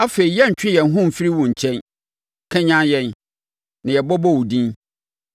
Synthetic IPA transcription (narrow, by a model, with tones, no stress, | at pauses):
a˦fe˨ɾi˨jɛ˦˨ɲ̩˨t͡ɕᶣɪ˦jɛ˨n˦ɦʊ̃˦m̩˨fi˦ɾi˦wʊ̃˨ɲ̩˨t͡ɕʰɛ̃˦n˨ | kʰɛ̃˦ɲã˦njɛ̃˦n | nã˨jɛ˨bɔ˦bɔ˦wu˨dĩ˦n